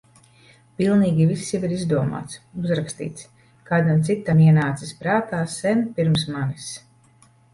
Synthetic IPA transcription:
pilˠniːɡʲivisːjiviɾizd̪uɔma̰ːt̪suzɾakst̪ḭːt̪s | kaːd̪amt̪sit̪ːamiɛnaːt̪sispɾaːt̪aːsɛmpiɾms̬manis

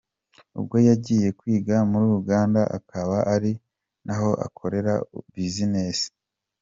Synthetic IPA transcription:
ṵbɡo̞jaɟiːje̞kwiːɡamuɾuːɾuɡaːndaʔa̰kʰaβaʔaɾi | naɦo̞ʔa̰kʰo̞ɾe̞ɾa̰bizinesi̥

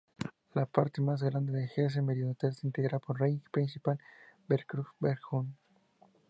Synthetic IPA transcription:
lapaɾt̪emazɣɾand̪eðexes̬emeɾinot̪elseint̪eɣɾapoɾrejpɾinsipalbeɾkɾufbeɾxun

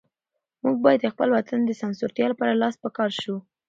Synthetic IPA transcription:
muɡ̚bɑjad̪əxpəlwat̪ʰand̪əsansʊɾt̪jɑlapɑɾalɑspəkɑɾʃu

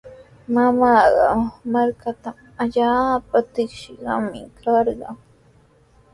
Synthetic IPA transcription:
mamaːɢɑ̰maɾkat̪a | aʎaːpat̪ɪkʃɪɢɑ̰mɪ̰kʰɑɾɢɑŋ

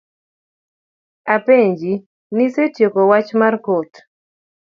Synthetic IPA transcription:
apeɲd͡ʒi | nisetjekowat͡ʃmarkot

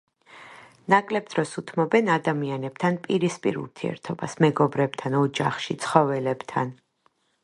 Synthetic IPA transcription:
nakʼlɛb̚d̪̥ɾɔsut̪ʰmɔbɛnad̪amianɛb̥̚t̪ʰanpʼiɾispʼḭɾṵɾt̪ʰiɛ̰ɾt̪ʰɔba̰smɛɡɔbɾɛb̥̚t̪ʰanɔd͡ʒaχʃit̪sʰχɔvɛlɛbt̪ʰan

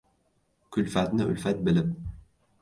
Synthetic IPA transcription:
kɵlfæt̪nɘʔɵ̰lfæt̪̚bɘ̆lɘm

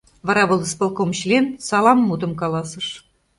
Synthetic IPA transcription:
vɑɾɑβɤ̆lˠspŏlˠkomɕlʲensɑlˠɑmːud̪ɤ̆mkɑlˠɑsɤ̆ʂ

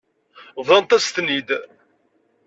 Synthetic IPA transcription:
vðˤɑnt̪æst̪nid̪

